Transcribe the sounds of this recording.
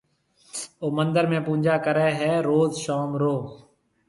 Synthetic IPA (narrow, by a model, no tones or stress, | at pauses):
oːmənd̪əɾmẽːpũːd͡ʒaːkəɾeːɦɛːɾoːzʃaːmɾoː